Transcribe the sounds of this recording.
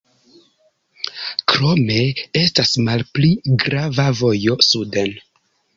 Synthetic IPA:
kɾo̞me̞e̞stasmalpliɡɾavavo̞jo̞suden

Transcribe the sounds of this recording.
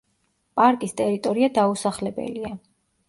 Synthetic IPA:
pʼaɾkʼist̪ʼɛɾit̪ʼɔɾiad̪ausaχlɛbɛ̰lia

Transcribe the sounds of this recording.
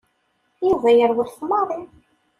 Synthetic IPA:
juvæjəɾðʊɾθmɑɾˤi

